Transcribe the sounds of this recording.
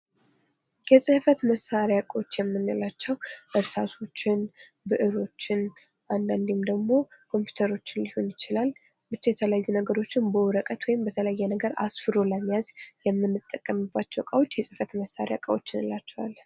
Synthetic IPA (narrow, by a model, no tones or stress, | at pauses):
jɛsʼɨhfət̪məsːaɾjakʼwot͡ʃːjɛmːɨnːɨlat͡ʃːɛwʔɨɾsasʰo̞t͡ʃːɪn | bɨʔɨɾo̞t͡ʃːɪn | ʔand̪and̪imd̪əɡmo̞kʰo̞mpʰju̥t̪ʰəɾo̞t͡ʃːɪnlihonjɪt͡ʃɪlal | bɨt͡ʃːɛjɛt̪ʰələjajːunəɡəɾo̞t͡ʃːɪnbəwɾəkʼət̪wɔjɪmbət̪ʰələjːɛnəɡəɾa̰sfɨɾo̞ləmːijazjɛmːɨnːɨt̪ʼːəkʼːəmɨbːat͡ʃːɛwkʼawo̞t͡ʃːjɛsʼɨfət̪məsːa̰ɾja̰kʼəwot͡ʃːɪnɨlat͡ʃːɛwal